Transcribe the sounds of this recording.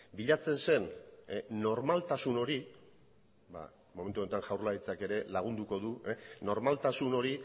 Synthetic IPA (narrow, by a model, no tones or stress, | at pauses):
biʎat͡se̞nse̞nː | o̞ɾmalt̪asuno̞ɾi | ba̰ | mo̞met̪uont̪aŋʝawɾlaɾit͡sake̞ɾe̞laɣ̞und̪uko̞ðueno̞ɾmalt̪asuno̞ɾi